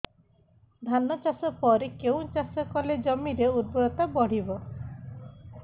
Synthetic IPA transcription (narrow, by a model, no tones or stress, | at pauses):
d̪ʱanɔt͡ʃasɔpɔɾekeũt͡ʃasɔkɔled͡ʒɔmiɾeud̪̚bɔd̪ɔt̪abɔɽ̤ibɔ